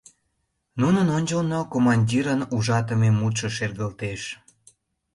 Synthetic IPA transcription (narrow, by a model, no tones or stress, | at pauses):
nunənonʲt͡ɕəlnokomɑnʲdʲiɾənuʒɑt̪əmemut̪ʃəʃerɣəlt̪eʃ